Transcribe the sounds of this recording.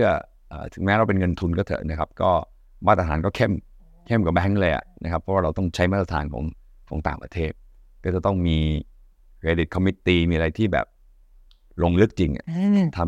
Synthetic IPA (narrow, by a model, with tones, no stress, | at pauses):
sʰɯ˥˩ɐ | ʔə̰ː˨˩t̪ʰɯ˨˩˦ŋmɛː˦˥ɾa˧wpe˧nŋɤ˧nt̪ʰu˧nkɔː˥˩t̪ʰɤ̰˨˩t̪na˦˥kʰa˦˥p̚kɔː˥˩ | waː˥˩t̪ːa˧t̪ʰaː˩˦nkɔː˥˩kʰe˥˩m | kʰe˥˩mka˨˩bɛː˦˥ŋlɤː˧jʔa̰˨˩na̰˦˥kʰa˦˥pʰːɔ˦˥waː˥˩ɾa˧wt̪ɔ˥˩ŋt͡ɕʰa˦˥jmaː˥˩t̪ːa˧t̪ʰaː˧nkʰɔ̰ː˩˦ŋ | kʰɔ̰˩˦ŋt̪aː˨˩ŋpɾa˧t̪ʰeː˥˩t̪̚ | kɔː˥˩t͡ɕa˨˩t̪ɔ˥˩ŋmiː˧ | kʰɾeː˧di˨˩t̪̚kʰɔ˧mi˦˥t̪ːiː˧miː˧a˧ɾa˧jt̪ʰiː˥˩bɛ̰ː˨˩p̚ | lo˧ŋlɯ˦˥k̚t͡ɕi˧ŋʔa̰˨˩t̪ʰa˧